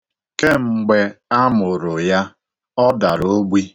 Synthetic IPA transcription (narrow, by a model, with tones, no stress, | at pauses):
ke˦ŋ͡m̩˨ɡ͡be˨a˦mʊ˨ɾʊ˨ja˦ | ɔ˦da˨ɾo˦ɡ͡bi˦